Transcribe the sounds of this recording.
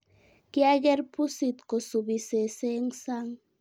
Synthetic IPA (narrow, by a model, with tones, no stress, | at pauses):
ki˦a˦ɡɛ˦ɾpu˦si˨t̪ko˨su˨bi˨se˨se˦ŋsa˦ŋ